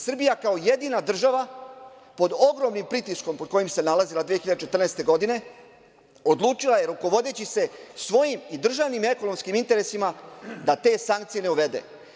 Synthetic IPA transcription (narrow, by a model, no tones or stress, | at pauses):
sr̩bijakaoje̞d̪iːnad̪r̩ʒaʋa | po̞d̪o̞ɡɾo̞mnimpɾit̪isko̞mpo̞d̪̚ko̞jimse̞nalazilad̪ʋijexiʎad̪et͡ʃe̞t̪rnest̪e̞ɡo̞d̪ine̞ | o̞d̪lˠuːt͡ʃilˠaje̞ɾuko̞ʋo̞d̪e̞t͡ɕise̞sʋo̞jimid̪r̩ʒaʋnime̞ko̞no̞mskimint̪e̞ɾe̞simad̪at̪e̞ːsaŋkt̪sije̞ne̞uʋe̞d̪e̞̰